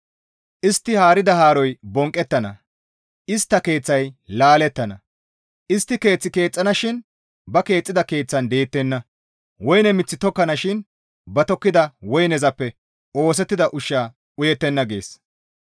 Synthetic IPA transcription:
ʔɪst̪ːɪhaːɾɪd̪ɐhaːɾɔjbɔŋkʼːɛt̪ːɐnɐ | ʔɪst̪ːɐke̞ːt͡sːɐjlaːlɛt̪ːɐnɐ | ʔɪst̪ːɪke̞ːt͡sːɪke̞ːt͡sʼːɐnɐʃɪn | bɐke̞ːt͡sʼːɪd̪ɐke̞ːt͡sːɐnd̪e̞ːt̪ːɛnːɐ | wɔjnɛmɪt͡sːɪt̪ɔkːɐnɐʃɪn | bɐt̪ɔkːɪd̪ɐwɔjnɛzɐpːɛ | o̞ːs̬ɛt̪ːɪd̪ɐʔʊʃːaː | ʊjɛt̪ːɛnːɐɡe̞̰ːs

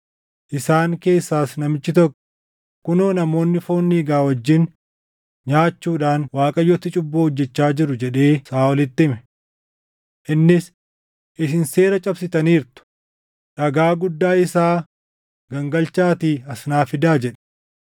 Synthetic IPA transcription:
ʔɪsaːŋke̞ːsːaːsnɐmɪt͡ʃːɪt̪ɔkːɔ̥ | kʊnoːnɐmo̞ːnːɪfo̞ːnːiːɡaːwɐd͡ʒːɪn | ɲaːt͡ʃːuːᶑaːnwaːkʼɐjɔt̪ːɪt͡ʃʼʊbːoːhɔd͡ʒːɛt͡ʃːaːd͡ʒɪɾʊd͡ʒɛᶑe̞ːsaːwɔlɪt̪ːɪmɛ | ʔɪnːɪs | ʔɪs̬ɪnse̞ːɾɐt͡ʃʼɐbsɪt̪ɐniːɾt̪ʊ̥ | ᶑɐɡaːɡʊd̪ːaːɪsaː | ɡɐŋɡɐlt͡ʃaːt̪iːɐsnaːfɪd̪aːd͡ʒɛᶑɛ̥

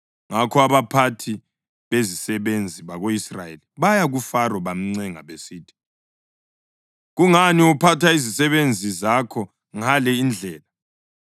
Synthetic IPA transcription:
ŋakʰɔaβapʰatʰi | βezisɛβend͡zʱiβaɣoisra̰jeliβajaɣufarɔβam̩ŋ͡ǀɛŋa̰βesiːtʰi̥ | ɣuŋaniupʰatʰaizisɛβend͡zʱizakʰɔ | ŋalɛind͡ɮʱɛːla

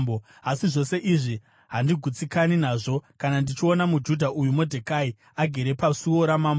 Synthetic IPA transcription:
bo | asiʐo̞se̞ʔiʐi | ɦandiɡʱut͡sikaninaːʐo̞kanandit͡ʃio̞namud͡ʒudʱaʔujumo̞dʱekai | aɡʱeɾe̞pasuo̞ɾamaːmbo

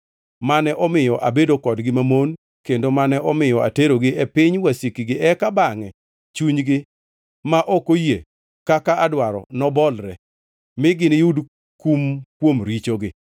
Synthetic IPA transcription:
manɛʔɔmɪjɔʔabedokɔdɡɪmamon | kendomanɛʔɔmɪjɔa̰teɾoɡɪʔɛpɪɲwasikiɡɪʔɛkabaŋɛ | t͡ʃuɲɡɪ | maʔokoje | kakaadwaɾɔ̰nɔbɔlɾɛ̰ | mɪɡɪnɪjud | kumkwomɾit͡ʃoɡɪ

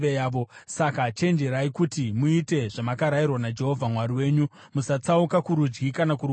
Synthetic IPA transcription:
ejaːo̞sakat͡ʃe̞nd͡ʒe̞ɾaikutimuite̞ʐamakaɾajirwanad͡ʒe̞ɦo̞vʱamwariwe̞ːɲu | musat͡saukakuɾud͡ʒɡikanakuru

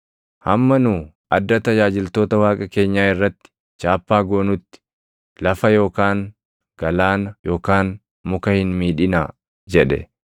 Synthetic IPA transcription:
hɐmːɐnuː | ʔɐd̪ːɐt̪ɐd͡ʒaːd͡ʒɪlt̪o̞ːt̪ɐwaːkʼɐke̞ːɲːaːɪrːɐt̪ːɪ̥ | t͡ʃaːpːaːɡoːnʊt̪ːɪ̥ | lɐfɐjo̞ːkaːŋ | ɡ̥ɐlaːnɐjo̞ːkaːn | mʊkɐhɪnmiːᶑɪna̰ː | d͡ʒɛᶑɛ̰

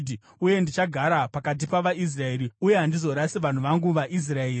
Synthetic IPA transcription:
dʱi | uje̞ndit͡ʃaɡʱaɾapakat̬ipaʋais̬rae̞ːɾiuje̞ɦandizo̞ɾasiʋan̤uʋaŋɡuʋaʔis̬raeːi

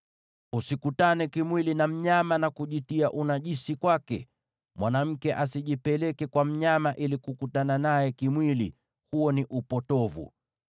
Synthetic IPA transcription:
usikutanɛkimwilinam̩ɲamanakuʄitiaʔunaʄisikwakɛ̰ | mwʔanam̩kɛʔasiʄipɛlɛkɛkwam̩ɲamaʔilikukutananajɛkimwilḭ | huɔniʔupɔtɔvṵ

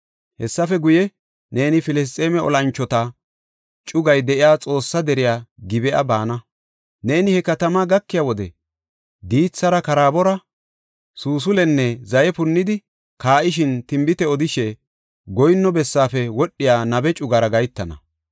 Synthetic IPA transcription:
hɛsːɐfɛɡʊjɛ | neːnɪfɪlɪs̬t̪ʼeːmɛɔ̰lɐnt͡ʃːɔt̪ɐ | t͡ʃʼʊɡɐjd̪ɛʔɪjaːt͡sʼo̞ːsːɐd̪ɛɾɪjaːɡɪbɛʔɐ̰baːnɐ | ne̞ːnɪhɛkɐt̪ɐmaɡɐkːɪjawɔd̪ɛ̰ | d̪iːt͡sːɐɾɐkɐɾaːbɔɾɐ | suːs̬ʊlɛnːɛzɐjɛpʊnːɪd̪ɪ | kaːʔɪʃ̬ɪnt̪ɪmbɪt̪ɛɔd̪ɪʃɛ | ɡɔjnːɔbɛsːaːfɛwɔɗːɪjaːnɐbɛt͡ʃʼʊɡaɾɐɡɐjt̪ːɐnɐ̰

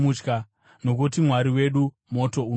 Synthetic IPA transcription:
ut͡ʃka | no̞k̬ut̬imwaɾiwe̞ɗu | mo̞to̞u

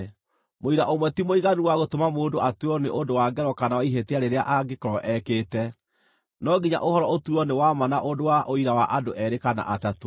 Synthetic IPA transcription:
moiɾaʔomwɛtimoiɣanuwaɣotomamoːndoʔatuɔneʔondowaɡɛɾɔkanawaiɦeteaɾeɾeaʔaɡekɔɾɔʔɛketɛ | nɔɡiɲa̰ʔohɔɾɔotuɔnewamanaʔodowaʔoiɾawaʔadoʔɛɾekana̰ʔatato

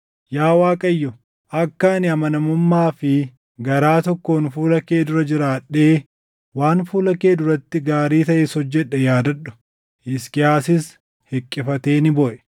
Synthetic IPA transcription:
jaːwaːkʼɐjːɔ | ʔɐkːɐnɪɐmɐnɐmʊmːaːfɪ | ɡɐɾaːt̪ɔkːoːnfuːlɐkeːd̪ʊɾɐd͡ʒɪɾaːᶑːe̞ː | waːnfuːlɐke̞ːd̪ʊɾɐt̪ːɪɡaːɾiːt̪ɐʔɛsɔd͡ʒːɛᶑːɛjaːd̪ɐᶑʊ̥ | ʔɪskɪjaːsɪs | hɛkʼːɪfɐt̪e̞ːnɪbɔʔɛ̥

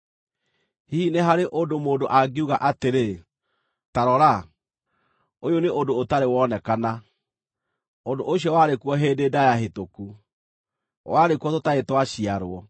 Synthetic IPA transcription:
hineɦaɾeʔodomoːdoʔaɡeuɣaʔateɾe | taɾɔɾa | ojoneʔodootaɾewɔnɛkana | ondoʔoɕiɔwaɾekuɔɦeːdedajaɦetoku | waɾekuɔtotaetwaɕiaɾwɔ

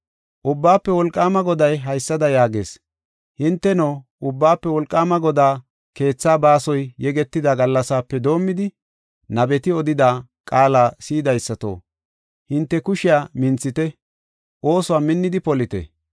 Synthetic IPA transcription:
ʔʊbːaːpːɛwɔlkʼːaːmɐɡɔd̪ɐjɦɐjsːɐd̪ɐjaːɡe̞ːs | hɪnt̪ːɛnoːʔʊbːaːpːɛwɔlkʼːaːmɐɡɔd̪aː | ke̞ːt͡sːaːbaːsɔjːɛɡɛt̪ːɪd̪aɡɐlːɐsaːpːɛd̪o̞ːmːɪd̪ɪ | nɐbɛt̪ɪɔd̪ɪd̪aː | kʼaːlaːsiːd̪ɐjsːɐt̪o̰ː | hɪnt̪ːɛkʊʃɪjaːmɪnt͡sːɪt̪ɛ | ʔo̞ːsʊwaːmɪnːɪd̪ɪpɔlɪt̪ɛ̰

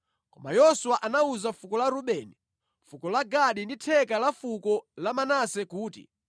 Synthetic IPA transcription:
kɔma̰jɔsuwaʔanauzafukɔlaɾuɓɛːni | fukɔlaɡaɗinditʰɛkalafukɔlamanasɛkuːtḭ

